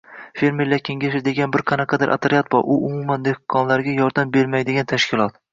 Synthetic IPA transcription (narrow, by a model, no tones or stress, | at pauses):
fe̞ɾmeɾlaɾkʲʰe̞ŋɡʲaʃɪd̪e̞ɡʲanbɪɾqʰɑnɑqʰɑd̪ɪɾʔa̰t̪ʰɾɪjat̪bɒʔʊʔʊmʊmand̪ehqʰːɒnlaɾɡʲajɒɾd̪ambe̞ɾmajd̪eɡʲant̪ʰaʃkʲʰɪlˠɒt̪